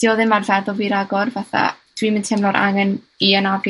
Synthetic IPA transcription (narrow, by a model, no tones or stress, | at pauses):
d̥iɔðɨmarvɛðɔlˠviɾaɡɔrvaθa̰ | d̥wimɪntʰɛmlˠɔɾʔa̰ŋɛn | iənaɡ